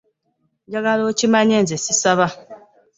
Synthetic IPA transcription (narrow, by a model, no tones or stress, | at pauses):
ɲɟaɡalocimaɲeːnzesisaβa